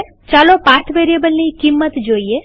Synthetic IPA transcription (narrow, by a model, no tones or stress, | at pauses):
t͡ʃalopaɾt̪ʰʋeɾiebəlnikimːət̪d͡ʒoie